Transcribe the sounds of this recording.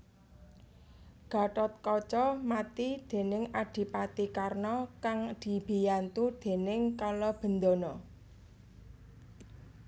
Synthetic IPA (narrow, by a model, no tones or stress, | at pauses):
ɡ̥a̤ʈɔt̪̚kɔt͡ʃɔmat̪id̪̥e̤nɪŋaɖ̥i̤pat̪ikarnɔkaŋd̪̥i̤b̥i̤jant̪ud̪̥e̤nɪŋkalɔb̥ə̤nd̪onɔ